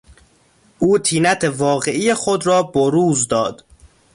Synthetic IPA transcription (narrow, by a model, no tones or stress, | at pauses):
ʔuːt̪ʰiːnæt̪ʰevɒːɣe̞ʔijexod̪rɒːboɾuːzd̪ɒːd̪̥